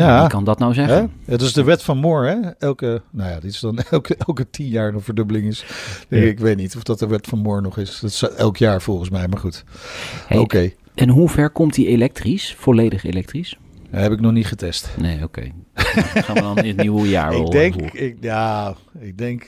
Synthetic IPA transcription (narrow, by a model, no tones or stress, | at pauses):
jakɑndɑtnawzɛχɛdɪsdəʋɛtfɑnmoːɹɦɛɛlˠkənowjaːdɪtsdɑnɛlˠkəɛlˠkətinjaːɹənvəɹdøbəlɪŋɪsd̥ɛkɪkʋejtnitɔfdɑt̚dəʋɛtfɑnmʊːɹnɔχɪstsɛlˠkjaːɹv̥ɔlˠχən̩smɛjmaːɹχut | owkej | ʔɛnɦuv̥ɛɹkɔmt̚dielɛk̚trisfɔlejdəχḛlɛk̚tris | ɦɛpɪknɔχnitχətɛstnḛjokḛj | nəiwəja̰ːɹɡ̚dɛŋkɪk̚jaːɪk̚dɛŋk